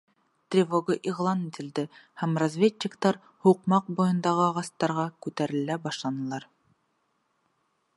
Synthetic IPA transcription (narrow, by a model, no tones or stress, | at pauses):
t̪rʲivoɡɤʔiʁlˠɑnit̪ɘ̆ld̪ɘhæmrazʲvʲetːɪkt̪ɑɾ | huqmɑq̚bujɤ̆nd̪ɑʁɤɑʁɑst̪ɑɾʁɑkʉt̪æɾɘ̆læbɑʃlˠɑnɤ̆lˠɑɾ